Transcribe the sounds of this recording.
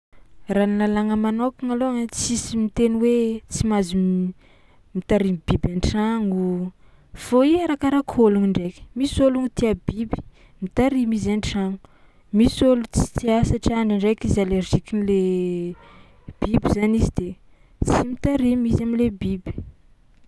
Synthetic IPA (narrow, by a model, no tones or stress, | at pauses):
ranlalaŋəmanokaŋaloŋat͡sisimit̪eniwet͡simazi | mit̪aɾimb̥ibaɳʈ͡ʂaŋu | foiaɾakaɾakʰoluŋiɳɖ͡ʐeki̥misoluŋut̪iabibi̥ | mit̪aɾimizaɳʈ͡ʂaŋu | misolut͡si̥t̪iasaʈ͡ʂaɳɖ͡ʐaɳɖ͡ʐekizalerʒikinile | b̥ibizanizid̪e | t͡simit̪aɾimizamilebibi̥